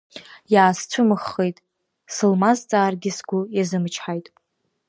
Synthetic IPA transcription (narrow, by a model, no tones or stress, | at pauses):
jaːst͡ɕʷʰʊmɨχːejtʼ | sɨlmazt͡sʼaːrɡʲɪsɡʷʊjazɨmt͡ʃʰħajtʼ